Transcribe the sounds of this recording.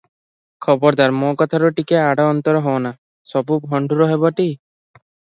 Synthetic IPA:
kʰɔbɔɾd̪aɾmokɔt̪ʰaɾuʈikeaɽɔɔnt̪ɔɾɔɦɔna | sɔbubʱɔɳɖʱuɾɔɦebɔʈi

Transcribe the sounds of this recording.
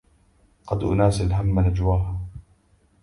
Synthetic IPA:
qɑd̪ʔʊ̰naːsalɦamːanad͡ʒwaːɦa

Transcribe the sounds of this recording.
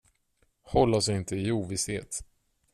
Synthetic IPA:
hɔlːaɔsɪnt̪əɪuːvɪsheːt̪

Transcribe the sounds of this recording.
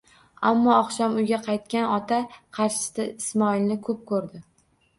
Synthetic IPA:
amːɒɒχʃɒmʊjɡʲaqʰɑjt̪̚kʲanɒt̪ʰaqʰɑɾʃɪ̥sɪɪsmɒilnɪkʰɵp̚kʰɵɾd̪ɪ

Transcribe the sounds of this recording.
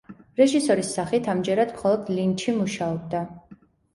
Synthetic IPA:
ɾɛʒisɔɾisːaχit̪ʰamd͡ʒɛɾad̪̥mχɔlˠɔd̪lint͡ʃʰimuʃaɔb̚d̪a

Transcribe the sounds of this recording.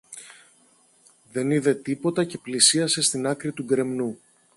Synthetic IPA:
ðe̞niðe̞t̪ipo̞t̪ɐce̞plisiɐse̞st̪inɐkɾit̪uɡɾe̞mnu

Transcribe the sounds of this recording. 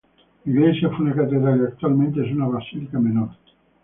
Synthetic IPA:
iɣlezjafunekat̪eðɾalak̚t̪ualmẽnt̪ezunaβasilikamenoɾ

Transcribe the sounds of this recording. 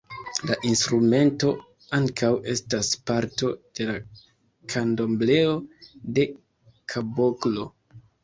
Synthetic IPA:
laʔinstɾume̞nto̞ | aŋkʰawe̞staspaɾto̞d̥e̞la | kʰando̞mble̞o̞de̞ | kʰaboklo̞

